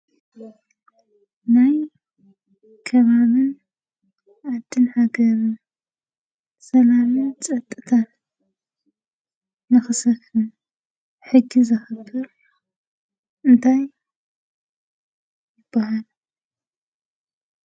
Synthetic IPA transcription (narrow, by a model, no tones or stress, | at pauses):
naj | kʰɐβaβɨn | ʔad̪ːɨnħaɡɐɾɨn | sɐlamɨnt͡sʼɐt̪ʼːɨt̪ʰa | nɨxɨsɐfɨn | ħɨɡːizɨxɨbːɨɾ | ʔɨnt̪ʰaj | jɨb̥ːahal